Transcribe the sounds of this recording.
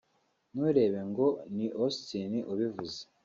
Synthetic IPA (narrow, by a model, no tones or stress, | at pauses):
nuɾe̞ːβe̞ŋɡo̞niʔostiniʔuβivuze